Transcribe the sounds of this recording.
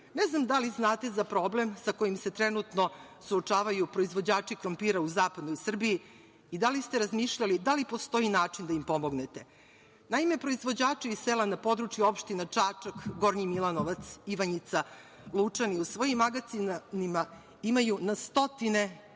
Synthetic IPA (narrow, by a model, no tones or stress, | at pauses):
neznamd̪aliznaːt̪e̞zapɾo̞ble̞msako̞jimse̞t̪ɾɛnut̪no̞suot͡ʂaːʋajupɾo̞izʋo̞d͡ʑaːt͡ʂikɾompiɾauzaːpad̪noisr̩biiː | d̪alist̪eɾazmiːʃʎalid̪alipo̞st̪o̞inaːt͡ʂind̪aimpomoɡne̞t̪e̞ | naime̞pɾo̞izʋo̞d͡ʑaːt͡ʂiisselanapo̞d̪ɾut͡ʃjuo̞pʃt̪inat͡ʂaːt͡ʂakɡo̞ɾɲimilˠanoʋat̪siʋaɲit̪sa | lˠut͡ʂaniusʋo̞jimːaɡat̪sinnima | imajunast̪o̞t̪ine̞